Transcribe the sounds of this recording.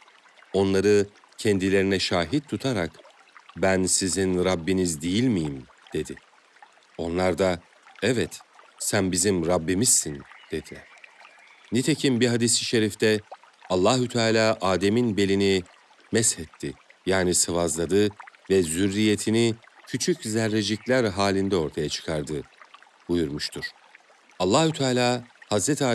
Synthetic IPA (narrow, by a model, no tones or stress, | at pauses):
o̞nlˠaɾɯ | cʰɛnd̪ilʲe̞ɾinɛʃaːɦit̪̚t̪ʰːut̪ʰaɾak | bænsizinɾabːinizd̪ijilʲmijim | d̪̥e̞d̪ɪ | o̞nlˠaɾd̪a | ɛvɛt̪sænbizimɾabːimizsind̪̥e̞d̪ilʲɛɾ̥ | nit̪ʰe̞cʰimbiɦad̪isiʃe̞ɾift̪ʰɛalˠːaɦut̪ʰaːlʲaːʔaːd̪e̞minbe̞lʲini | mɛshɛt̪ʰːijaːnisavazlˠad̪ɯvɛzyɾːije̞t̪ʰinicʰyt͡ʃʰyczæɾːed͡ʒiclʲæɾɦaːlʲind̪ɛo̞ɾt̪ʰajat͡ʃʰɯ̥kʰaɾd̪ɯ | bujuɾmuʃt̪ʰuɾ̥ | alˠːaːhut̪ʰaːlʲaːhazɾɛt̪ʰiaː